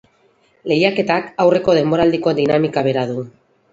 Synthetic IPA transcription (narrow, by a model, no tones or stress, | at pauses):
le̞jake̞t̪akawre̞ko̞ð̞e̞mbo̞ɾald̪iko̞d̪inamikaβ̞e̞ɾaðu